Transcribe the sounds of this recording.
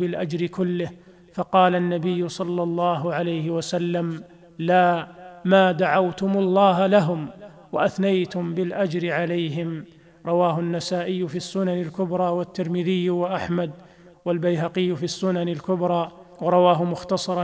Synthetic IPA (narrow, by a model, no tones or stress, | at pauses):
bɪlʔad͡ʒɾɪkʊlːɪh | fɑqɑːlanːabɪjːʊsˤɑlːɑlˤːɑːɦʊʕalajhɪwasalːam | laːmaːd̪aʕawt̪ʊmʊlˤːɑːɦalaɦʊm | waʔaθnajt̪ʊmbɪlʔad͡ʒɾɪʕalajɦɪm | ɾˤɑwaːɦʊnːasaːʔɪjːʊfiːsːʊnanɪlkʊbɾˤɑːwat̪ːɪɾmɪðɪjːwaʔaħmad̪ | walbajɦaqɪjːʊfiːsːʊnanɪlkʊbɾˤɑː | wɑɾˤɑwaːɦʊmʊxt̪ɑsˤɑɾˤ